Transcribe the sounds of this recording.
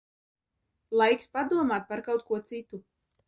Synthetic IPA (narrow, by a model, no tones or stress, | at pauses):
lˠajkspad̪uɔmaːt̪̚paɾkawt̪̚kuɔt̪sit̪u